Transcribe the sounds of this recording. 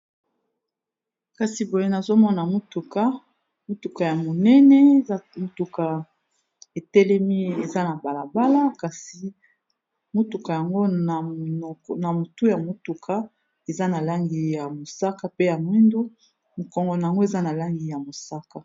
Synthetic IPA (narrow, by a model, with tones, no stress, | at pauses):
ka˨si˨bo˨je˦na˨zo˦mɔ˦na˨mo˦tu˨ka˦ | mo˦tu˨ka˨ja˨mo˨nɛ˦nɛ˦˨˦mo˦tu˨ka˨ | e˨tɛ˦lɛ˦mi˦e˨za˦na˨ba˨la˨ba˦la˦ka˨si˨ | mo˦tu˨ka˨ja˨ŋɡo˦˨ | na˨mo˨tu˦ja˨mo˨tu˨kʰa˦ | e˨za˦na˨la˦ŋɡi˨ja˨mo˨sa˦ka˦pe˦ja˨mwi˦ndu˦ | mo˨kɔ˨ŋɡɔ˨na˨ja˨ŋɡo˦e˨za˦na˨la˦ŋɡi˨ja˨mo˨sa˦ka˨